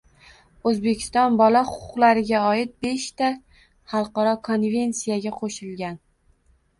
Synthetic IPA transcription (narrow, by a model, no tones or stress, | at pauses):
ɵzbe̞kʲʰɪ̥st̪ɒnbɒlaχʊqʰʊʊqlˠaɾɪɡʲaɒɪt̪̚beʃt̪a | χɑlˠqɑɾɒkʰo̞nvʲe̞nsijaɡʲaqʰoʃɪlɡʲan